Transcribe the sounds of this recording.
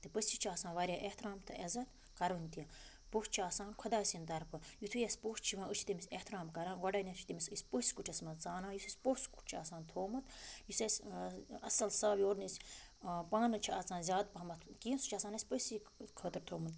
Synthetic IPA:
t̪ɨpəsʲit͡ʃʰiaːsãːnʋaːɾʲjaːʔeht̪ɾaːmt̪ʰɨʔɐzɐt̪ | kɐɾɨnʲt̪ijɐ | pot͡ʃʰiaːsãːnkʰɔd̪aːsind̪ɐɾpɨjut̪ʰujɐsʲpoːst͡ʃʰiʋãːɨt͡ʃʰi̥t̪imisʲeht̪ɾaːmkɐɾãːnɡɐɖɐnʲɐt͡ʃʰit̪imisɨsʲpəsʲkuʈʰɐsmɐt̪t͡saːnaːjut̪ʰɐsʲpoːsku̥ʈ̚ʰt͡ʃʰiaːsãːnt̪ʰoːmɨt̪jusɐsʲɐsɐlsaːbjoːɾnisʲpaːnɨt͡ʃʰiaːt͡saːnzʲaːd̪̚pɐmɐt̪ʰkiːnsu̥t͡ʃʰaːsaːnɐsʲpəsi | kʰəːt̪ɨɾt̪ʰoːmɨt̪

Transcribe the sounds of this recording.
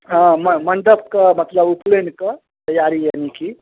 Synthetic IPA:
ɦãməmɐɳɖəb̚kəmɐt̪ləbuplenkə | t̪ɐjːaɾijaniki

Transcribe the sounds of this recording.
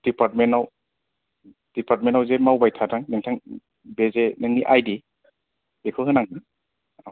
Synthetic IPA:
d̥ipaɾt̚menaw | d̥ipaɾt̚menawzemawbajtʰatʰaŋnɯŋtʰaŋ | bezenɯŋniʔajdi | bekʰɯɦɯnaŋɯ | aw

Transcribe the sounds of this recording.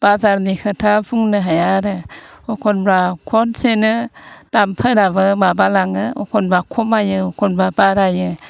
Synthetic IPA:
b̥azaɾnikʰɯtʰabʰuŋnɯɦajaɾɯɔkʰɔnbɾakʰɔnsenɯd̥ampʰɯɾaβɯmabalaŋɯɔkʰɔnbɾakʰɔmajɯɔkʰɔnbabaɾajɯ

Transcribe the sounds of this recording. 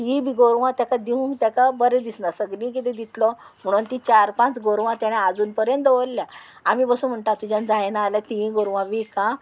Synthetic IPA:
ĩbiɡoɾʋãt̪jakad̪iũŋt̪jakabəɾẽd̪isnasəɡnĩk̬it̪ẽd̪it̪lɔm̤əɽ̃unt̪it͡ɕaɾpãt͡sɡoɾʋãt̪jaɽ̃ead͡zuːnpəɾjənt̪ʋolːjaamiːbəsuːnm̤əɳʈ̪at̪ud͡ʑand͡zajnaːljat̪ĩɡoɾʋãʋikã

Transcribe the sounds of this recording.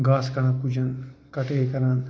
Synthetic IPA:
ɡaːskɐnapud͡ʒɐnkɐʈeːkɐɾan

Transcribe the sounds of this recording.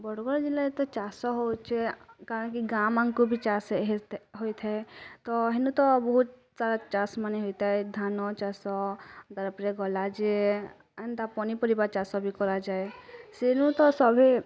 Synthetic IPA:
bɔɽɡɔɾd͡ʒilaet̪ɔt͡ʃasɔɦot͡ʃʰekaːɾənkiɡamãŋkubʱit͡ʃasɦet̪ɦojt̪ʰɛt̪ɔɦenũt̪ɔbɔɦut̪̚ | saɾat͡ʃasmaneɦojt̪ɛed̪ʱanɔt͡ʃasɔd̪aɾpɾeɡɔlad͡ʒe | nd̪apɔnipəɾibaɾt͡ʃasɔbʱikɔɾad͡ʒaesenũt̪ɔsɔbʱe

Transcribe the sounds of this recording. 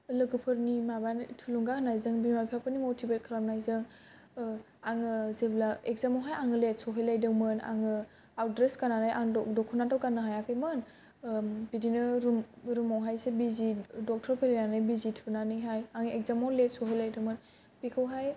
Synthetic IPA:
lɯɡɯpʰɯɾnimabantʰuluŋɡakʰnajzɯŋbimajpʰapʰɯnimotʰibet̚kʰlap̚najzɯŋ | aŋɯzeblaekzamawɦajaŋɯlet̚sɔɦɯjlajdɯwmɯna̰ŋɯ | awdɾeskananajʔaŋɔdɔkʰːunatɔwkanɯɦajakʰɯjmɯn | bidinɯɾumɾumawɦajsebizidɔk̚tʰɔɾpʰelenanajbizitʰunanɯjɦajaŋekzamɔwlet̚sɔɦəjlajdɯwmɯn | pikʰɯwɦaj

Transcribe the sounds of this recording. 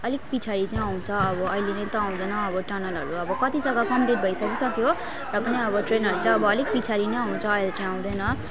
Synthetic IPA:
ʌlikpit͡sʰaɾit͡saĩaw̃t͡sʰʌʌbʌʌilenʌj̃t̪ʌãw̃d̪ʌjnʌːbʌʈanʌlɦʌ̰ɾuʌbʌkʌt̪id͡zʌɡakʌmʈiʈ̪̚bʱʌjsʌkisʌkjo | rʌpʌniʌbʌʈrenɦʌɾut͡sʌbʌːlik̚pit͡sʰaɾinʌjaw̃t͡sʰʌʌjlet͡sãj̃ãw̃d̪ʌjnʌ

